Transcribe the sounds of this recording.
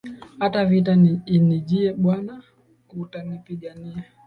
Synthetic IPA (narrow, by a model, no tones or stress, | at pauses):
hatavitaniiniʄiɛɓwana | utanipiɠaniɛ